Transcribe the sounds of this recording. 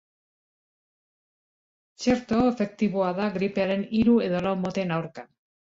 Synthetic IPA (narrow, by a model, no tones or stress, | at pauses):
t͡ʃeɾt̪oefe̞k̚t̪iβoaðaɡɾipeaɾe̞niɾue̞ðo̞lawmot̪e̞nawɾka